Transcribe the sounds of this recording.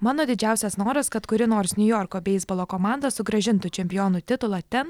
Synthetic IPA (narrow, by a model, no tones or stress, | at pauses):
mɑːnoːd̪ʲɪd͡ʒʲæˑʊsʲɛsnoːɾɐskɐt̪kʊɾʲɪnoːɾsnʲʊjoːɾkoːbʲɛɪzbolˠoːkoːmɑˑnd̪ɐsʊɡɾɐʒʲɪnt̪ʊt͡ʃʲɛmʲpʲɪjoːnʊt̪ʲɪt̪ʊlˠɑt̪ʲɛn